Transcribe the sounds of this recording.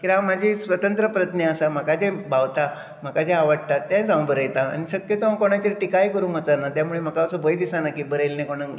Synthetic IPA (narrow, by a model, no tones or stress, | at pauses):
kiɾãmad͡ʑʱisʋət̪ənt̪ɾəpɾət̪neəsam̤akad͡ʑẽbʱaʋt̪a | m̤akad͡ʑeaʋəɽ̚t̪at̪ːjãd͡zãw̃bʱəɾəjt̪aa̰ñiɕəkjət̪oãkoɽ̃at͡ɕeɾʈikaikəɾũŋət͡sanat̪jamuɭem̤akaəsəbəjd̪isanakibəɾəjlnẽkoɽ̃ã